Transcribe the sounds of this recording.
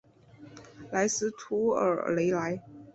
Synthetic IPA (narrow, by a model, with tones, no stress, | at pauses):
la˧˥ɪsɹ̩˧˥t̪ʰu˧˥ə̰˨˩le˧˥ɪla˧˥ɪ